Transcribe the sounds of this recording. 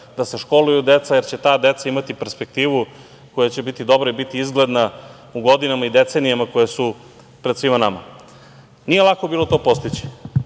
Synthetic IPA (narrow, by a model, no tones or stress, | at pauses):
d̪ase̞ʃko̞lujud̪et̪sajeɾt͡ɕet̪aːd̪e̞t̪saimat̪ipe̞ɾspek̚t̪iːʋu | ko̞jat͡ɕe̞bit̪id̪o̞bɾoibit̪iizɡled̪na | uɡo̞d̪inamaid̪et̪senijamako̞jesu | pɾed̪sʋimanama̰ | nijelˠako̞biːlˠo̞t̪o̞ːpo̞st̪it͡ɕi̥